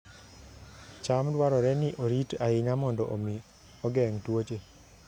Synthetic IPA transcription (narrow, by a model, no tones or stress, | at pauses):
t͡ʃamdwaɾɔɾɛnɪʔoɾitaɪɲamɔndɔʔomi | ɔɡɛŋtwot͡ʃe